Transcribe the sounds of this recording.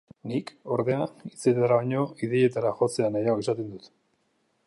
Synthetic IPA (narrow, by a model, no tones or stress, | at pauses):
niko̞ɾðe̞ait͡set̪aɾaβaɲo̞iðe̞je̞t̪aɾaxo̞t͡se̞anajaokesat̪e̞nd̪ut̪